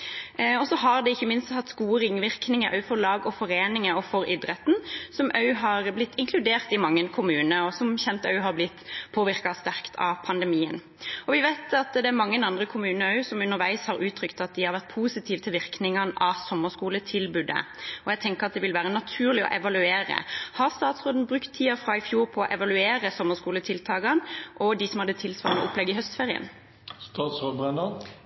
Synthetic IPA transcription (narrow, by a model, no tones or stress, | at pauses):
ɔsɔɦɑɾd̪ɛɪçːəmɪnst̪hɑt̪ːskuːʁɪŋʋɪʁknɪŋəʔœ̰ʉfɔɾlɑːɡɔfɔɾeːnɪŋəɔfɔɾɪd̪ɾət̪n̩sɔmʔœʉɦɑɾblɪt̪ːɪŋkʰlʉd̪eːʁt̪ɪmɑŋːənkʰʊmʉːnəɔsɔmçɛnt̪œʉɦɑɾblɪt̪ːpʰoːʋɪɾkɑst̪æʁkt̪ʰɑ̰pʰɑnd̪ɛmiːən | ɔʋɪʋæɪt̪ʰɑt̪d̪ɛæɾmɑŋːənɑnd̪ʁəkʰʊmʉːnəɑʉsɔmʉnːəɾʋæɪshɑɾʉːt̪ʰɾʏkt̪ɑt̪̚d̪ɪhɑɾʋæʁt̪̚pʰuːsɪt̪ʰiːʋət̪ʰɪlʋɪɾknɪŋɑnʔɑsɔmːəskuːlət̪ʰɪlbʉːd̪ə̰ɔjɛɡt̪ʰɛŋkəʁɑt̪d̪ɛʋɪlʋæːʁənɑt̪ʰʉːʁlɪɔ̰ʔɛʋɑlʉeːɾə̰hɑʁst̪ɑːt̪sʁoːd̪n̩bʁʉkt̪ʰːiːɑfʁɑɪfjuːɾpʰɔɔʔɛʋɑlʉeːɾəsɔmːəskuːlət̪ʰɪlt̪ʰɑːɡɑnʔɔd̪ɪsɔmhɑd̪ːət̪ʰɪlsʋɑːʁɛ̰ʔʊplɛɡːɪɦœst̪feːʁɪə̰n | st̪ɑːt̪sʁoːbɾɛnd̪ɑn